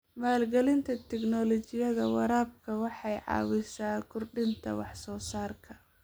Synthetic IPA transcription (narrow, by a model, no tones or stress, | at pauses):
maːlɡɛlɪnt̪ʰɐt̪ʰɛknɔlɔt͡ʃɪjɐðɐwɑɾaːb̚kʰɐwɑħɑjʕɑ̰ːwɪsaːkʰʊrɖɪnt̪ʰɐ̰wɑħsɔːsaːrkʰɐ̥